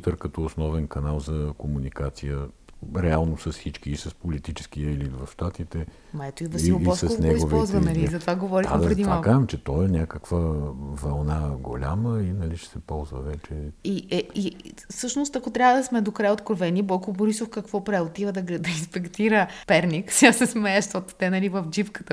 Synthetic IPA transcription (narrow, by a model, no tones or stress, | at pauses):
t̪əɾkɐt̪ɔːsnɔvɛnkɐnalˠzɐkomunikat̪sijəɾɛalˠnosɐssit͡ʃkiːsɐspolit̪it͡ʃɛ̥sk̟iəɛlit̪vɐfʃt̪at̪it̪ɛ | mɐɛt̪oivɐilˠoɔsɐsnɛiɡoviɔlˠzvɐɐllizɐt̪ovaɡovɔɾiad̪pɾɾɛd̪imvakaʒɛmt͡ʃɛt̪ɔɛnʲakəkvəvɐlˠnaɡolʲa̰məinɐliʃt͡ʃɛ̥sɛpɔlˠzvə̰vɛt͡ʃɛiʔɛisɤʃnoʊst̪ɐkot̪ɾʲjavəd̪ɐsmɛd̪okɾajot̪kɾovɛnibɔjkoboɾisofkɐkvɔpɾɛot̪ivəd̪ɐɡd̪ɐinspɛkt̪iɾəpɛɾnʲiksasɛsmɛəʃt̪ɔt̪o̥t̪ɛnɐlivəfd͡ʒipkə̥t̪ə